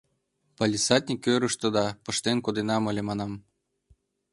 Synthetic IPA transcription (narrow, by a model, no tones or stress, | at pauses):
pɑlʲisɑt̪ʲnʲikʲøɾɯ̆ʃt̪ɤ̆d̪ɑpɤ̆ʃt̪enkod̪enɑmɤ̆lʲemɑnɑm